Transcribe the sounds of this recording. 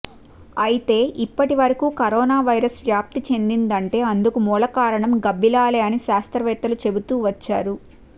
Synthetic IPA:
ɐjit̪e̞ːʔipːɐʈiʋɐɾɐkuːkɐɾɔːnaːʋɐjɾɐsʋjaːp̚t̪it͡ʃe̞nd̪ind̪ɐɳʈe̞ːɐnd̪ukumuːlɐkaːɾɐɳɐmɡɐbːilaːleːɐniʃaːst̪ɾɐʋɛːt̪ɐlut͡ʃe̞but̪uːʋɐt͡ʃːa̰ːɾu

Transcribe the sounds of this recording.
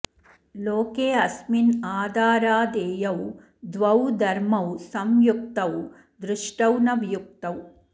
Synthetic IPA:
loːkeːɐsminaːd̪aːɾaːd̪eːjɐw | d̪ʋɐwd̪ʱɐɾmɐwsɐmjuk̚t̪ɐw | d̪ɾuʂʈɐwnɐʋjuk̚t̪ɐw

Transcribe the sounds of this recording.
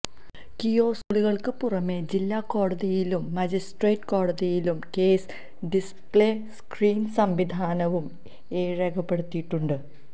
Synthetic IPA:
kijo̞ːsuɭiɣɐɭkɨpurɐme̞d͡ʑilːaːkːo̞ːɽɐðijilumːɐd͡ʑisʈreːʈko̞ːɽɐðijilumkeːs | ɖispɭeːskriːnsɐmʋid̪ʱaːnɐʋum | eːɻɐɣɐpːe̞ɽut̪ːiʈːuɳɖɨ

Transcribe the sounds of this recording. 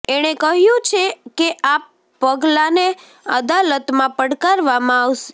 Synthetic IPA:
eɽ̃ekəɦjũt͡ʃʰekeʔapː | əɡlane | əd̪alət̪mãpəɽkaɾʋamãaʋʃe̥

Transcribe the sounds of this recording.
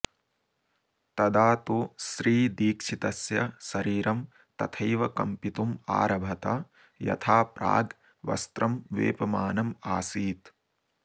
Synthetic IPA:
t̪ɐd̪aːt̪uʃɾiːd̪iːkʂit̪ɐsjɐʃɐɾiːɾɐm | t̪ɐt̪ʰɐjʋɐkɐmpit̪uma̰ːɾɐbʱɐt̪ɐ | jɐ̰t̪ʰaːpɾa̰ːɡ | ʋɐ̰st̪ɾɐmʋḛːpɐmaːnɐmaːsiːt̪

